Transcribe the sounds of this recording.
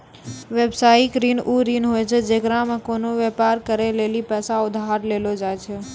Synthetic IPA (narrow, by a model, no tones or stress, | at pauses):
ʋeːbsaːikɾiːnʔuːɾiːnɦojt͡ʃʰed͡ʒeːkɾãmẽkoːnoʋepaːɾkəɾeleːlipɛːsãʊd̪ʱaɾleːlod͡ʒaːjt͡ʃʰe